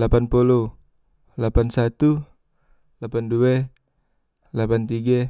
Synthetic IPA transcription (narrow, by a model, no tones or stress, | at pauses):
lapanpolɔ | lapansat̪u | lapanduɛ | lapant̪iɡa